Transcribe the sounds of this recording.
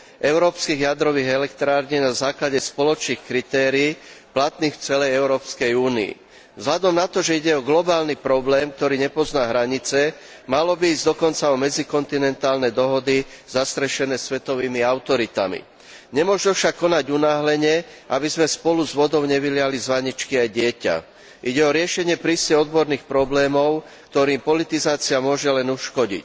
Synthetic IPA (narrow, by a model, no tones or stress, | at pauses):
ʔɛʊɾɔːpskiːɣjad̪ɾɔʋiːɣɛlɛkt̪ɾaːɾɲiːnazaːklaɟɛspɔlɔt͡ʃniːxkɾit̪ɛːɾiːplat̪niːxft͡sɛlɛjɛʊɾɔːpskɛjuːnḭḭ | vzɦlad̪ɔmnat̪ɔʒɛiɟɛɔɡlɔbaːlnipɾɔblɛːmk̚t̪ɔɾiːɲɛpɔznaːɦɾaɲit͡sɛ | malɔbiiːzɟd̪ɔkɔnt͡saɔmɛd͡zikɔnt̪inɛnt̪aːlnɛd̪ɔɦɔd̪iz̥ast̪ɾɛʃɛnɛːsʋɛt̪ɔʋiːmiaʊt̪ɔɾit̪a̰mḭ | ɲɛmʊɔʒufʃakːɔnaɟunaːɦlɛɲɛ | ʔabizmɛspɔluzʋɔd̪ɔʊɲɛʋilɪalizʋaɲit͡ʃkiajɟɪɛca̰ | ʔiɟɛɔɾɪɛʃɛɲɪɛpɾiscɛɔd̪bɔɾniːxpɾɔblɛːmɔʊ | k̚t̪ɔɾiːmpɔlit̪izaːt͡siamʊɔʒɛlɛnuʃkɔɟḭc